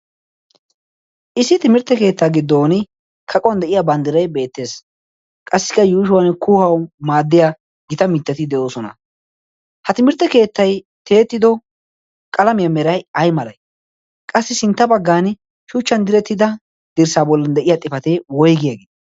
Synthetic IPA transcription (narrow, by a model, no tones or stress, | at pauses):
ʔɪsːɪt̪ɪmɪɾt̪ːɛke̞ːt̪ːaːɡɪd̪ːoːnɪ | kʰɐkʼɔwɐnd̪ɛʔɪjabɐnd̪ɪɾɐjbe̞ːt̪ːe̞ːs | kʼɐsːɪ̥kːɐjuːʃʊwɐnkuːhɐwmaːd̪ːɪja | ɡɪt̪ɐmɪt̪ːɐt̪ɪd̪ɛʔo̞ːsɔnɐ̰ | hɐt̪ɪmɪɾt̪ːɛke̞ːt̪ːɐj | t̪e̞ːt̪ːɪd̪ɔ | kʼɐlɐmɪjɐmɛɾɐjɐjmɐlɐj | kʼɐsːɪsɪnt̪ːɐbɐɡːaːn | ʃuːt͡ʃːɐnd̪ɪɾɛt̪ːɪd̪ɐ | d̪̥ɪɾsaːbɔlːɐnd̪ɛʔɪjaːt̪ʼɪfɐt̪ewɔjɡjɐɡeː